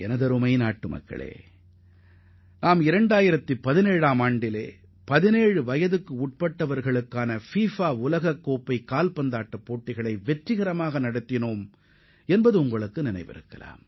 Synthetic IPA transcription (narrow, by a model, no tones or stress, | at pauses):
ɛnɐðɐɾɯmɐɪnaːʈːɯmɐ̰kːɐ̰ɭḛː | naːmɪɾɐɳɖaːjɪɾɐt̪ːɯpɐðɪneːɻaːmaːɳɖɪlḛː | pɐðɪneːɻɯʋɐjɐðɯkːɯʊʈ̚pɐʈːɐʋɐɾɣɐɭɯkːaːnɐfiːfaːʊlɐɣɐkːoːpːɐɪkaːlpɐnd̪aːʈːɐpːoːʈːɪɣɐɭɐɪʋɛʈrɪɣɐɾɐmaːɣɐnɐɽɯt̪ːɪnoːm | ɛnbɐðɯʊŋɡɐɭɯkːɯnɪnɐ̰ɪʋɪ̰ɾɯ̰kːɐ̰la̰ːm